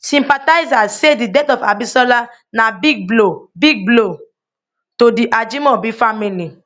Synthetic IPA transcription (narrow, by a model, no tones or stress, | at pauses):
sĩmpataɪzasedidɛtɔfa̰bisɔla | nabiɡ̚blobiɡ̚blo | todiʔad͡ʒimɔbifamili